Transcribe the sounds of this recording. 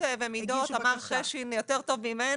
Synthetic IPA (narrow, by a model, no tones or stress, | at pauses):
evemid̪ot̪amaʁχeʃinjot̪eʁt̪o̞vmime